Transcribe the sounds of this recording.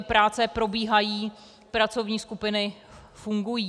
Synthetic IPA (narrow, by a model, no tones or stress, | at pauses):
pɾaːt͡sɛpɾo̞biːɦajiː | pɾat͡so̞vɲiːskupɪnɪfuŋɡujiː